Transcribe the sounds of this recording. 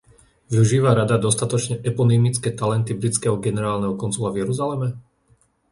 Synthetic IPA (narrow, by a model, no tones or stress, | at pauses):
ʋiuʒiːʋaɾad̪ad̪ɔst̪at̪ɔt͡ʃɲɛʔɛpɔnimit͡skɛːt̪alɛnt̪ibɾit͡skɛɦɔɡɛnɛɾaːlnɛɦɔkɔnzulavjɛɾuzalɛmɛ